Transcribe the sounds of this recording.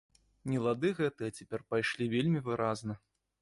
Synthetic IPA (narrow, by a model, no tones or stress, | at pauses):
nʲɛlˠad̪ɨɣɛt̪ɨjɛt͡sʲapʲɛrpajʂlʲivʲelʲmʲivɨɾaznɐ